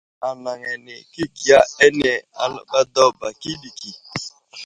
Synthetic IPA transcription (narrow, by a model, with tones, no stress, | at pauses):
a˨na˨ŋɛ˨nɪ˨ki˦ki˨a˦ɛ˦nɛ˨a˨˦˨ba˦dɔ˦ba˨ki˦di˨ki˨